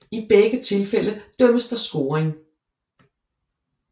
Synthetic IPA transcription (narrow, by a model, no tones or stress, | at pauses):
ib̥eɡ̥ət͡sʰe̝lfel̰əd̥œm̰əsd̥ɑsɡ̥o̝̰ːʁeŋ